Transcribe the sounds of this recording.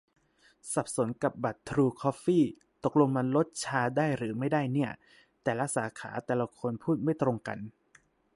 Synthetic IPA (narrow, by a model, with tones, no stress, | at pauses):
sa˨˩p̚so˨˩˦nka˨˩p̚ba˨˩t̪ʰːɾuː˧kʰɔː˦˥fiː˥˩ | t̪o˨˩k̚lo˧ŋma˧nlo˦˥t̪̚t͡ɕʰaː˧daː˥˩jɾɯː˩˦ma˥˩jdaː˥˩jni˥˩ɐ | t̪ɛː˨˩la˦˥ʔ̚saː˩˦kʰa̰ː˩˦t̪ɛː˨˩la˧kʰo˧npʰuː˥˩t̪̚ma˥˩jt̪ɾo˧ŋka̰˧n